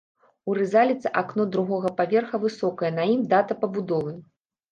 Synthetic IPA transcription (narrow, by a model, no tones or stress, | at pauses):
uɾɨzalʲit̪sɨʔaknɔd̪ɾuɣɔɣɐpavʲɛrxɐvɨsɔkɐjɐnɐimd̪at̪ɐpɐbud̪ɔvɨ